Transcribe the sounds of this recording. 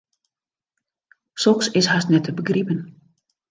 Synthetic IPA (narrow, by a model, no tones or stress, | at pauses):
sɔksɪsɦastnɛtʰəbəɡripən